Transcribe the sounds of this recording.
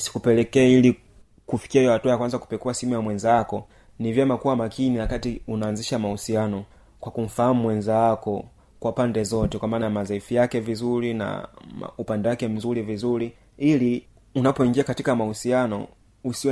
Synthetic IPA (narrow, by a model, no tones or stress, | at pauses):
si̥kupɛlɛkɛːili | kufi̥kiajɔhatuajakwanzaku̥pɛkuasiɛmujamwɛnzakɔ | nivjɛmakuwamakiniwakatiunaːnziʃamahusianɔ | kwakum̩fahamumwɛnzawakɔ | kwaupandɛzɔtɛkwamaːnajamazaifijakɛvizuɾina̰upandɛwakɛm̩zulivizuɾi | ili | unapɔiŋɡiakatikamahusianɔ | usi